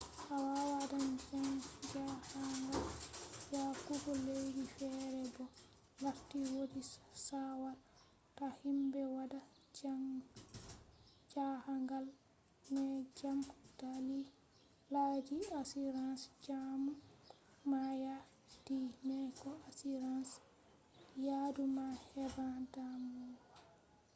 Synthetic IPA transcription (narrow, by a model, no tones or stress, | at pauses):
ʔawawadand͡ʒaŋd͡ʒahaŋɡaljakubɔlejdifɛɾɛbɔ | waɾtiwodisawal | tahimbɛwada | d͡ʒaŋ | d͡ʒahaŋɡal | nɛd͡ʒamkutali | lad͡ʒiasiɾansd͡ʒamu | maja | dinɛkɔasiɾans | jadumahɛbandamuɡ